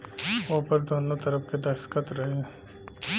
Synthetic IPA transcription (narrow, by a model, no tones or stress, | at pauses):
opɐɾd̪oːnõt̪ɐɾəpked̪ɐʃkət̪ɾɐɦe